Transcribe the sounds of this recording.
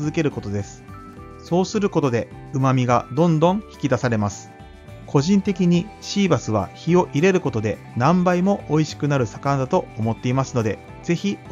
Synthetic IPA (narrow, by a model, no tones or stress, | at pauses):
ɨzɨke̞ɾɯ̟ko̞t̪o̞d̪e̞sɨ̥ | so̞ːsɨɾɯ̟ko̞t̪o̞d̪e̞ɯ̟mamʲiɡad̪õ̞nd̪õ̞ɰ̃çi̥kʲid̪asaɾe̞masɨ̥ | kʰo̞ʑĩnt̪e̞kʲiɲ̟iɕiːbasɨβ̞a̰çio̞ʔiɾe̞ɾɯ̟ko̞t̪o̞d̪e̞ | nãmbaimo̞ːiɕi̥kɯ̟naɾɯ̟sakãnd̪at̪o̞ːmo̞t̪ːe̞imasɨno̞d̪e̞ | z̥e̞çi